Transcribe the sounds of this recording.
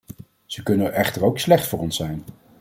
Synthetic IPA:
z̥əkɵnənʔɛχtəɹowkslɛχtfʊːɹɔnsɛjn

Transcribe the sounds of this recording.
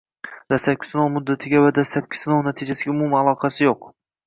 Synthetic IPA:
d̪̥asap̚kʲɪ̥sɪnowmʊd̪ːat̪ʰɪɡʲavad̪asap̚kʲʰːɪ̥sɪnownat̪ʰɪd͡ʒasɪɡʲaʊmʊmalˠɒqʰɑsɪjoq

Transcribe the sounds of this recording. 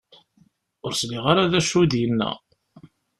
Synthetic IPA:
ʊɾsliʁaɾaðæʃud̪jənːæ̰

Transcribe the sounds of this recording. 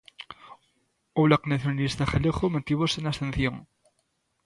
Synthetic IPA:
owlaknaθjonalist̪aχaleχomot̪iβosenast̪en̟θjoŋ

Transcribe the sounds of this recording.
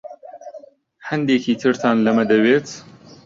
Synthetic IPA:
hand̪eːkʰiːt̪ʰɨɾt̪ʰɑːnlɐmɐd̪ɐweːt̪

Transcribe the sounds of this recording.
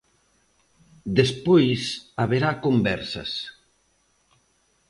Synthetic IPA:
d̪espojsaβeɾakombɛɾsɐ̰s

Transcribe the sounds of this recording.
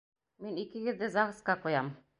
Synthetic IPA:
minikɘɡɘ̆ðd̪ɘzɑʁɤ̆sqɑqujɑm

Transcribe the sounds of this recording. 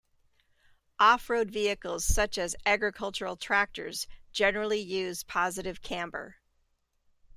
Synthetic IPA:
ʔɔfɹoʊdviɨkl̩ˠz̥sʌt͡ʃɨzæɡɹɨkʰʌlˠt͡ʃə˞l̩ˠtʰɹ̥æk̚tə̰˞z̥d͡ʒɛnə˞l̩ˠijʉz̥pʰɑzɨɾɨv̥kʰæ̃mbə̰˞

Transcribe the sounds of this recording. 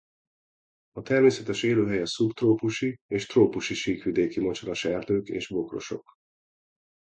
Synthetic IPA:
ɒt̪ɛrmeːsɛt̪ɛʃeːløːɦɛjɛsupt̪roːpuʃieːʃt̪roːpuʃiʃiːkʋid̪eːkimot͡ʃolɒʃɛrd̪øːkḛːʒbo̞kro̞̰ʃo̞̰k

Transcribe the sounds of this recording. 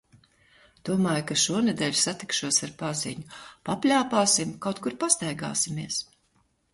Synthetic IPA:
d̪̥uɔmaːjkaʃuɔnɛd̪ɛːʎʲu̥sat̪i̥kʃuɔsaɾpazḭɲupapʲlʲaːpaːsimkawt̪kuɾpast̪ajɡa̰ːsimiɛs

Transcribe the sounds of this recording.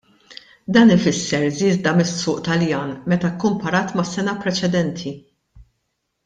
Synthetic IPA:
d̪ɐːnɪfɪsːɛɾzɪːzd̪ɐmɪsːʊːʔt̪ɐljɐːnmɛt̪ɐkːʊmpɐɾɐːt̪mɐsɛnɐpɾɛt͡ʃɛd̪ɛnt̪ʰi

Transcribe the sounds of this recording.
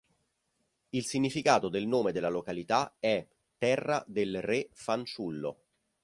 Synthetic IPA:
ilsiɲːifikaːt̪od̪elnoːmed̪elːalokalit̪aɛ | t̪ːɛrːad̪elrefant͡ʃulːo̰

